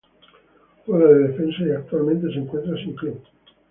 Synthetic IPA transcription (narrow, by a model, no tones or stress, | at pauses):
ɔɾaled̪efɛnsaakt̪ualmẽnt̪es̬iŋkwent̪ɾasiŋki